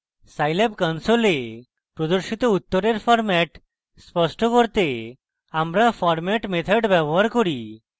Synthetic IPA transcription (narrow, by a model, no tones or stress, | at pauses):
sajlepkɔnsole | pɾod̪oɾʃit̪out̪ːoɾeɾfʰɔɾmɛʈ | spɔsʈokoɾt̪e | amɾafʰɔɾmɛʈmet̪ʰɔɖbɛboɦaɾkoɾi